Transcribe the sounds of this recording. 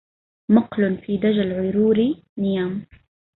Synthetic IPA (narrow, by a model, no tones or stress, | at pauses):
mʊqlʊnfiːd̪ad͡ʒalʕʊjɾuːɾi | nɪjaːm